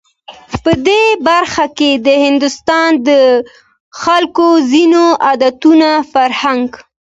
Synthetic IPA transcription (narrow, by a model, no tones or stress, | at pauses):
pəd̪ebaɾxaked̪əhɪnd̪ʊst̪ɑnd̪ə | xalkozinoʔɑd̪at̪unafaɾhaŋɡ